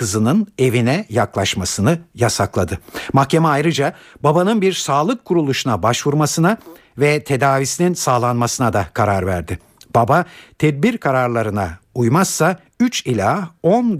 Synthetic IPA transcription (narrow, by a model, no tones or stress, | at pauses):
ɯzɯnɯne̞vinɛjaklˠaʃmasɯnɯjasaklˠad̪ɯmahcʰe̞mɛajɾɯd͡ʒa | babanɯnbiɾsaːlˠɯkʰːuɾulˠuʃunabaʃvuɾmasɯna | vɛt̪ʰe̞d̪aːvisininsaːlˠanmasɯnad̪akʰaɾaɾvæ̰ɾd̪ɪ | b̥abat̪ʰɛd̪̚biɾkʰaɾaɾlˠaɾɯnaujmasːa | yt͡ʃilʲaon